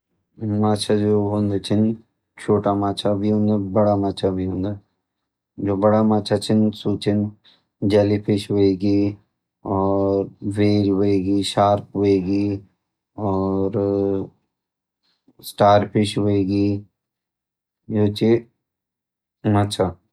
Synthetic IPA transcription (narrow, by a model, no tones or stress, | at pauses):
maːt͡ʃʰad͡ʒoːɦõːnd̪et͡ʃʰɪn | t͡ʃʰoːʈamaːt͡ʃʰabʱiɦõnd̪abɐɽamaːt͡ʃʰabʱiɦʊ̃ːnd̪a | d͡ʒoːbɐɽamaːt͡ʃʰat͡ʃʰɪnsuːt͡ʃɪn | d͡ʒalipʰɪʃɦoeːɡi | ɔːɾʋeːd͡ʒɦoeːɡiːʃaːɾpɦoeːɡiː | ɔːɾ | sʈaːɾpʰɪʃɦoeːɡiː | joːt͡ʃe | maːt͡ʃʰa